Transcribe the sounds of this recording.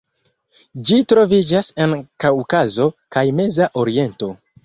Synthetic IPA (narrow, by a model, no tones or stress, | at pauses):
d͡ʒitɾo̞vid͡ʒasenkawkazo̞kajme̞zaʔo̞ɾie̞nto̞